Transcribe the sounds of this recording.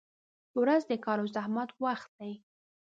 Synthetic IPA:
wɾazd̪əkɑlozahmat̪waxt̪̚d̪̥aj

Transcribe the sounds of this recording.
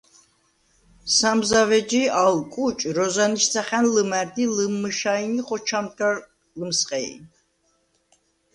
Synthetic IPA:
samzavɛd͡ʒialkʼut͡ʃʼɾɔzaniʃt̪sʰaχɛnləmæɾd̪iləmːəʃainiχʼɔt͡ʃʰamdaɾ | ləmsqʼɛḭ

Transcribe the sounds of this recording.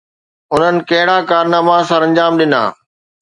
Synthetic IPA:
ʊn̤ənɪ̆kɐɦɪɽakaːɾnaːmaːsãɾɐ̃ɲd͡ʑaːmɗɪna̰ː

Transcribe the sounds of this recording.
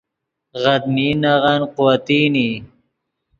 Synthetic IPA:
ɣad̪̚minaʁanqʊwat̪iːni

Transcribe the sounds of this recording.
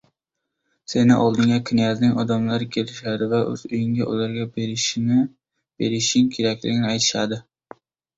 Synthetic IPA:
senɪʔɒlˠd̪ɪŋʲakʲʰɪnijaznɪŋɒd̪amlaɾɪkʲʰelɪʃad̪ɪvaʔɵ̰z̥ʊjɪŋɡʲaʔo̰laɾɡʲaʃ | b̥eɾɪʃɪŋkʲʰe̞ɾakʲlɪ̰ɡʲɪnɪajt̪ʰɪ̥ʃad̪ɪ

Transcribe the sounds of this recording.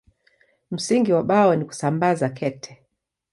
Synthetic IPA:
m̩siŋɡiwaɓaɔniku̥sambazakʰɛtʰɛ

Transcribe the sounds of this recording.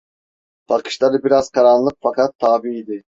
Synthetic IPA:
b̥alkʰɯ̥ʃlˠaɾɯbiɾaz̥kʰaɾanlˠɯk̚fakʰat̪ʰːaːbiːd̪ɪ

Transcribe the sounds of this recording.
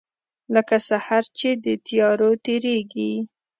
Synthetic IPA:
ləkasahaɾt͡ʃed̪ət̪ijɑɾot̪eɾeɡi

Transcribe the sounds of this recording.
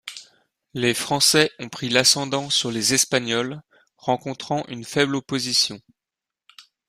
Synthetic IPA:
lefχɑ̃sɛɔ̃pχilasɑ̃d̪ɑ̃syʁlezɛspaɲɔl | ʁɑ̃kɔ̃t̪χɑ̃ʔynfɛblopozisjɔ̃

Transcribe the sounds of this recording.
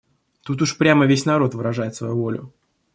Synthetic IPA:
t̪ut̪ʊʂpɾʲaməvʲesʲnɐɾo̞t̪vɨɾɐʐajɪt̪svɐjuvo̞lʲʊ

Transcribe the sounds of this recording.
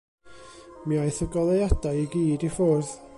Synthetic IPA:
miajθəɡɔlˠejad̥ajiɡiːdifoːrð

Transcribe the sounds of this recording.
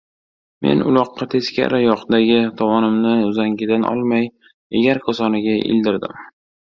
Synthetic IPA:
me̞̰nʊlˠɒqːɑt̪ʰe̞skʲa̰ɾɪjɒqd̪aɡʲɪt̪ʰɒvɒnɪmnɪʊzaŋɡʲɪd̪anʔɒ̰lˠmaj | eɡʲaɾkʰɒsɒnɪɡʲaʔɪ̰ld̪ɪɾd̪ɪ̰m

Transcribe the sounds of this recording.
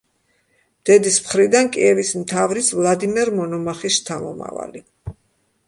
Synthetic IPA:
md̪̥ɛd̪ismχɾid̪ankʼiɛvismt̪ʰavɾisvlˠad̪imɛɾmɔnɔmaχist̪ʰamɔ̰ma̰va̰li

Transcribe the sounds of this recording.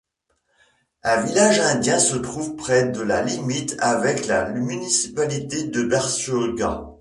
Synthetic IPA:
ɛ̃vilaʒɛ̃d̪jɛ̃sət̪χuvpχɛd̪əlalimit̪ʰavɛklamynisi̥palit̪ed̪əbɛʁsøɡɑ̰̃

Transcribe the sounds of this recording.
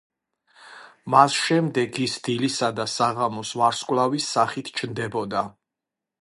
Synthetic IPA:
masʃɛmd̪ɛɡisd̪ilisad̪asaʁamɔsvaɾskʼwlˠavisːaχit̪ʰt͡ʃʰnd̪ɛbɔd̪a

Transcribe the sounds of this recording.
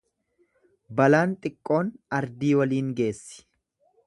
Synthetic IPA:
bɐlaːnt̪ʼɪkʼːo̞ːnɐɾd̪iːwɐliːŋɡe̞ːsːɪ̥

